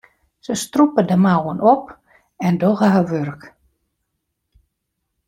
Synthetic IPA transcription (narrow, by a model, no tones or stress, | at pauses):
səstrupədəmawənɔp | ɛndoɣəɦaʋørk